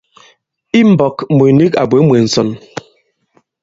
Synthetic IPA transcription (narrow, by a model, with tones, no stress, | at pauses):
i˦m̩˨bɔ˨kmu˨ni˦ka̰˨be˨˦mwe˨n̩˨sɔ˨n